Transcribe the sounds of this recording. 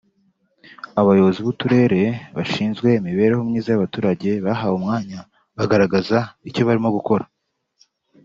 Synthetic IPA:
aβajo̞βo̞ziβutuɾe̞ːɾe̞βaʃiːnzɡwe̞miβe̞ːɾehomŋiːzajaβatuːɾaɟe̞βaɦawumŋaːɲa | βaɡaɾaɡazaico̞βaɾimo̞ɡuko̞ɾa

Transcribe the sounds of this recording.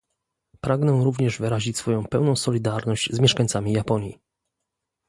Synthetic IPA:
pɾaɡnɛɾuvɲɛʐvɘɾaʑit͡ɕʲsfɔjɔ̃w̃pɛwnɔ̃w̃sɔlʲid̪aɾnɔʑd͡ʑzmʲɛʂkaɲt̪samʲijapɔɲjḭ

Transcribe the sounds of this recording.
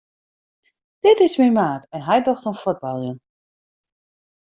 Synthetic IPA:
d̥ɪtɪsmɪnmaːtɛnɦɛjdoxtənfod̚balˠjən

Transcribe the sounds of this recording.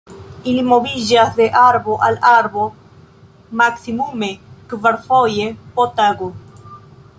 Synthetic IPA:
ilimoβiʒasðeʔaɾboʔalaɾbo | maksimumekvaɾfojepot̪aɡo

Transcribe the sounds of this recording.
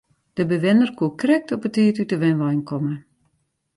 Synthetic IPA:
d̥əbəʋɪnərkʰuəkrɪk̚tɔpətiːtytəʋɛnʋɔjnkʰɔmə

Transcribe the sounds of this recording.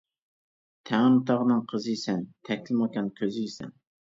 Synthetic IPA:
t̪ʰɛŋɨnɨt̪ʰɑʁənɨŋqʰəzɨjisɛnt̪ʰɛkʲʰlɪmɑkʲɛnkʲʰøzɪjisɛ̰n

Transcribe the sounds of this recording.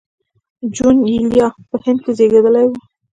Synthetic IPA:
d͡ʒunilijɑpəhɪnd̪̚kezeɡed̪əlajwu

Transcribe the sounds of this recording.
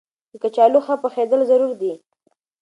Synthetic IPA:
əkat͡ʃɑluxapəxed̪əlzaɾuɾd̪i

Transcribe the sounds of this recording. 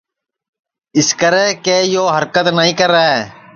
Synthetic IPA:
ɪskəɾeːkeːjoːɦəɾkət̪nəɦĩːkəɾːaːeː

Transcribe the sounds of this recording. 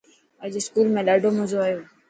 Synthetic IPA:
əd͡ʑeskuːlmẽɗaːɖʱomʊ̃zoaːjoː

